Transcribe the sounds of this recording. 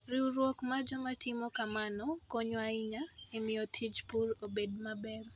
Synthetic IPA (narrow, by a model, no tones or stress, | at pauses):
ɾiwɾwokmad͡ʒɔmatʰɪmɔkamanɔkoɲoaiɲaemɪjɔtʰid͡ʒpuɾobedmabɛɾ